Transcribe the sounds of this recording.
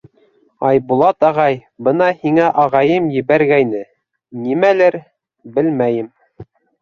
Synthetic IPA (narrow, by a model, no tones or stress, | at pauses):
ɑjbulˠɑt̪ɑʁɑj | bɤnɑhiŋæʔɑʁɑjɤmjɘ̆βæɾɡæjnɘ | nimælæɾ | bɘlmæjɘm